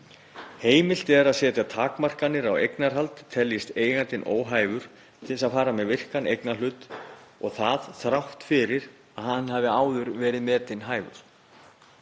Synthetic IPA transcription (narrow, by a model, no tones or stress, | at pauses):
heːjmɪl̥t̪ɛɾaðsɛːt̪at̪ʰaːkmar̥kanːɪɾawejknaɾ̥ɦalt̪t̪ʰːɛljɪst̪eːjɣant̪ɪnʔo̰ːwɦaːjvʏɾ̥ | t̪ʰɪsaðfaːɾamɛðvɪr̥kanejknalʏːt̪ɔɣθaðθɾawht̪fɪɾɪɾ | aðhanːhaːvɪaːwðʏɾvɛːɾɪðmɛːt̪ɪnɦaːjvʏ̰ɾ̥